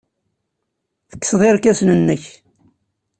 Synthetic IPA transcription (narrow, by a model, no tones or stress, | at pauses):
θə̥kːsðˤeɾkæsnənːəç